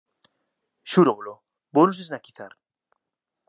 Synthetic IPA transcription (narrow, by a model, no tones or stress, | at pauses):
ʃuɾoβlo | bonoseznakiθa̰ɾ